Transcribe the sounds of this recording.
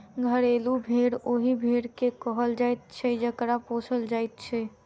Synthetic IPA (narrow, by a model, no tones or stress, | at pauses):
ɡʱəɾelubʱeɽoɦibʱeɽkekəɦəld͡ʒajt̪̚t͡ʃʰɛd͡ʒəkɾapot͡ʃʰəld͡ʒajt̪̚t͡ʃʰɛ